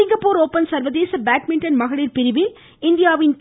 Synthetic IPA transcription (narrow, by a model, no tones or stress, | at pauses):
ɪŋɡɐpːuːɾoːpːɐnsɐɾʋɐðeːsɐbaːʈ̚mɪɳʈɐnmɐɣɐɭɪlpɪɾɪʋɪl | ɪnd̪ɪjaːʋɪn